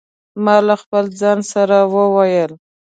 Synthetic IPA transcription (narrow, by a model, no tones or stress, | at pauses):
mɑlaxpəld͡zɑnsaɾawəwajəl